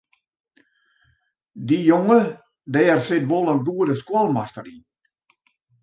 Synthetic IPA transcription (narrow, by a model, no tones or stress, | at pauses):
dijoŋə | dɛːrsɪtʋolˠənɡuədəskwɔlˠmastərin